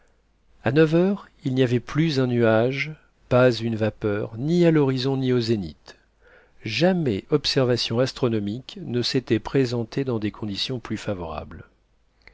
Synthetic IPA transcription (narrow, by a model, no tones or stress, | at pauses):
anœvœʁ | ilniavɛplyzɛ̃nyaʒ | pazynvapœʁnialɔʁizɔ̃niozenḭt̪ | ʒamɛʔɔpsɛʁvasjɔ̃ast̪χɔnɔmiknəset̪ɛpχezɑ̃t̪ed̪ɑ̃d̪ekʰɔ̃d̪isjɔ̃plyfavɔʁa̰bl